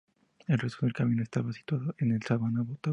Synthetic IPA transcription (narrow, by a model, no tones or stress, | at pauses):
elrest̪oðe̞lkamĩnoe̞st̪aβasi̥t̪waðoenelsaβanaβot̪a